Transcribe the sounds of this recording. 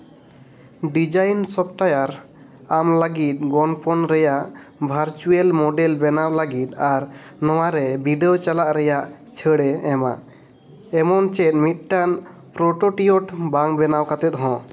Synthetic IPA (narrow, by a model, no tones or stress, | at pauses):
ɖid͡ʒajnsɔp̚ʈajaɾ | amləɡit̪̚ˀɡɔnpɔnɾɛjaʔbʱaɾt͡ʃuelmɔɖɛlbɛnawlaɡit̪̚aɾnɔwaɾɛbʱiɖɛɔt͡ʃalaʔɾɛjaʔ | t͡ʃʰəɽɛɛma̰ʔ | ɛmɔnt͡ʃɛt̪̚ˀmit̪̚ˀʈan | pɾɔʈoʈioʈbaŋbɛnawkat̪ɛt̪̚ɦɔ̃